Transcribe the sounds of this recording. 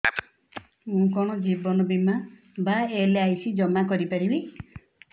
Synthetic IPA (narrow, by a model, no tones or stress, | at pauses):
mũkɔɽ̃ɔd͡ʒibɔnɔbima | baeleajsʰid͡ʒɔmakɔɾipaɽibi